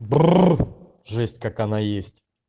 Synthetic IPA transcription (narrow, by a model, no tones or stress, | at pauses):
b | ʐɛsʲtʲkakɐnajesʲtʲ